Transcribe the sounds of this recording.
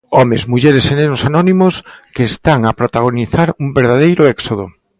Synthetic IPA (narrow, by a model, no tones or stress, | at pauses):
ɔmezmuʎeɾesenenʊsanɔnimoskeːst̪aŋapɾot̪aɣ̞oniθaɾumbeɾðað̞ejɾʊɛksoð̞o